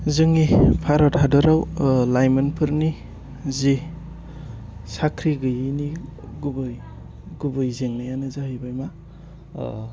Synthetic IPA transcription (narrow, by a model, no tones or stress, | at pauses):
zɯŋipʰaɾɔdhadɔɾawlajmanpʰɯɾni | zi | sakʰɾiɡɯjini | ɡubɯj | ɡubɯjzeŋnajanɯzaɦɯjbajma